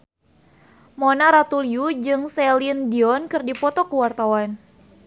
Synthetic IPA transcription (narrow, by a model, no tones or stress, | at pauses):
monaɾat̪uliud͡ʒɨŋsɛlindiɔnkɨrdipɔt̪ɔkəwart̪awan